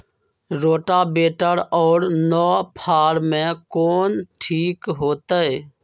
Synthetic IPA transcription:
ɾoːʈabeːʈəɾɔːɾnɔːpʰaːɾmẽkoːnʈʰiːkɦoːt̪aɛː

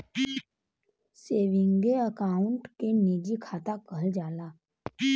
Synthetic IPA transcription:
seːʋɪ̃ŋɡeəkaːʊ̃ɳʈkeniːd͡ʒikʰaːt̪akəld͡ʒaːlaː

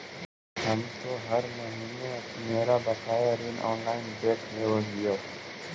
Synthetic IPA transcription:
ɦɐmt̪oɦɐɾmɐɦiːnemeːɾabɐt̪aːjaɾiːnʔɔːnlaːɪnbeːkʰneʋəɡijoː

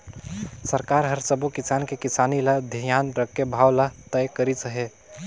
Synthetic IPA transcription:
səɾkaːɾɦəɾsəbukɪsaːnkekɪsaːniləd̪ʱijaːnɾəkːebʱaːwlət̪əjkəɾit͡ʃəɦɛ

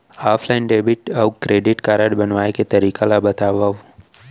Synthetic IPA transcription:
afʰlainɖebiʈəʋũkɾeɖiʈkaɾaɽbənʋajket̪əɾikalabət̪aʋːaʋu

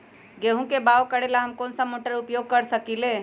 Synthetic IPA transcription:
ɡeɦũkebaːʋkəɽelaɦəmkoːnsamoːʈəɾʊpjoːɡ̚kəɾsəkile

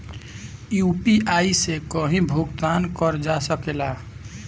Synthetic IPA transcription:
jupiʔaisekəɦĩbʱuɡt̪ankəɾd͡ʒasəkela

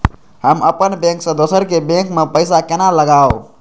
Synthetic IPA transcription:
ɦəməpənbẽŋksə̃d̪osəɾkebẽkmepəɪsakenaləɡao

